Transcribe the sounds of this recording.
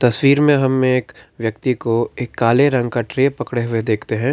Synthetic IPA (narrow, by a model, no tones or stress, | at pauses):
t̪ɐswiːɾmẽɦɐmːẽːkʋjɐkt̪ikoeːkːaːleɾɐ̃ŋɡkaʈɾepɐkɽeɦʊed̪eːkʰt̪eɦɛ̃ː